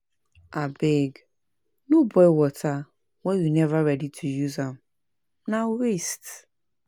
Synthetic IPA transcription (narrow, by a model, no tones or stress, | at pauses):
abeɡ | nũbɔjwɔtʰa | wɛjunɛvaɹɛditʰujuzãm | nãwest